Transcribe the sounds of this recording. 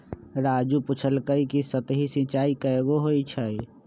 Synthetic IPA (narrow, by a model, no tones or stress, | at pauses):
ɾad͡ʒuput͡ʃʰəlkəikisət̪ɦisĩt͡ʃaikəeɡoɦojt͡ʃʰəj